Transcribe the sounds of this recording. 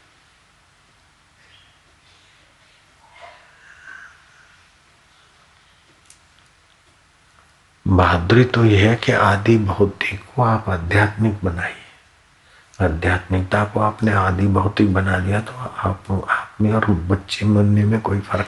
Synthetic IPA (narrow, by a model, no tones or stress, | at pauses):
baːd̪ɾit̪ojeɦɛkeʔaːd̪ibɐɦʊt̪ikːoaːpəd̪ʱjaːt̪mɪk̚bɐnaːi | əd̪ʱjaːt̪mɪk̚t̪akoaːpneaːd̪ibɐɦʊt̪ik̚bɐnad̪ijat̪opaːpnẽɔːɾbɐtːʃemənːemẽkoːifəɾk